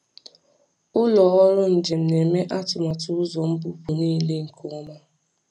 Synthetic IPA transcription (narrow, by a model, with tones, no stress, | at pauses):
ʊ˦lɔ˨ɔ˦ɾʊ˦n̩˨d͡ʒe˨m̩˨ne˨me˦ʔa˦tʊ˨ma˨tʊ˦ʊ˦zɔ˨m̩˦bu˦pu˨niː˦le˦ŋ̩˨kʰʊ˦ma˦